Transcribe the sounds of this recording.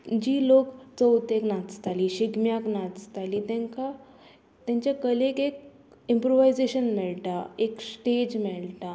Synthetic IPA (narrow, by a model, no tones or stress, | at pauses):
d͡ʑiːlokt͡səwt̪eknat͡st̪aliːɕiɡmjaknat͡st̪aliːt̪ɛ̃ŋka | t̪jãɲt͡ɕjakəlekek̚ | impɾoʋajd͡zeɕənmɛɭʈaeksʈed͡ʑmɛɭʈ̪a